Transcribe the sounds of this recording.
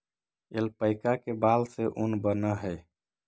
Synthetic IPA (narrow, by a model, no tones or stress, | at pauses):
ḛlpəɪkakebalseʔunbənəɦəj